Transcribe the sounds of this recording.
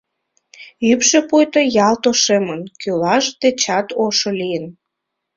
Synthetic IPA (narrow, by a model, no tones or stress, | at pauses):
ypʃepujt̪ojɑlt̪oʃemənkylɑʒd̪et͡ɕɑt̪oʃolijən